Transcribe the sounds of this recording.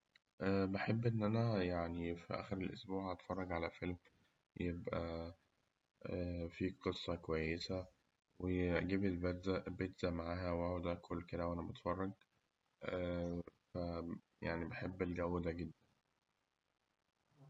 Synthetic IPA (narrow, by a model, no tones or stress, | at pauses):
ʔæbeħebːʔenːʔænæjaʕnifḭʔæ̰ːxeɾelʔo̰sbuːʕhɑt̪fɑrˤːɑɡʕalæfelm | jebʔæ | æfiːqʰesˤːɑkowæjːesæ | weɡiːbelbæɾzæbet̪zæmaʕaːɦæwʔæʕod̪ʔækʰolːked̪æwʔænæbɑt̪fɑrˤːɑɡ | ʔæfæ | jaʕnibeħebːelɡæwːd̪æɡed̪ːæn